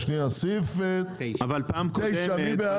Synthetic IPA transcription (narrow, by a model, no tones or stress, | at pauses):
ʃniasifet̪avalpaːmt̪ejʃamibea